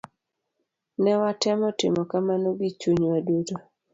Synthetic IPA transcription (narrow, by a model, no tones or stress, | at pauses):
nɛwatɛmɔtɪ̰mɔkamanoɡit͡ʃuɲwaduto